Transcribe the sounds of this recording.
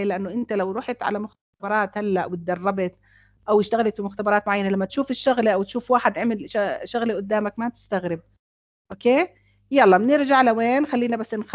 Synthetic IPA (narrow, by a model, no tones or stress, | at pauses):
elɪʔanːʊʔɪnt̪alawɾˤuːħɪt̪ʕa̰lamʊx | bɑɾˤɑːt̪halːaʔwɪt̪̚d̪ɑrˤːɑbɪt̪ | ʔawɪʃt̪aɣalat̪fimʊxt̪abɑɾˤɑːt̪mʊʕajːanalamːat̪ʃuːfɪʃːʊɣleʔawt̪ʃuːfwaːħɪd̪ɪʕmɪlʃʊɣleʔʊd̪ːaːmakmat̪ɪ̥st̪aɣɾɪb̚ | ʔoːkeː | jalːɑːmnɪɾʒaʕlaweːnxalːiːnabasːɪnx